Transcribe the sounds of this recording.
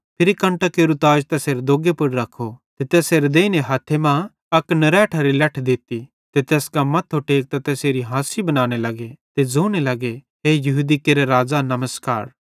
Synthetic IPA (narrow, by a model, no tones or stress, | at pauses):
pʰɪɾikɐ̃ɳʈakeːɾut̪aːd͡ʒt̪ɛseːɾd̪oːɡepʊɽɾɐkʰːot̪et̪ɛseːɾd̪eːineɦaːt̪ʰːemã | ɐknɐɾɛːʈʰɐɾilɐʈʰd̪ɪt̪i | t̪et̪eːskamɐt̪ʰːoʈeːk̚t̪at̪ɛːseːɾiɦãːsibɐnaːñelɐɡet̪ed͡zoːnelɐɡe | ɦeːjɐɦuːd̪ikeːɾeɾaːd͡ʒanɐməska̰ːɾ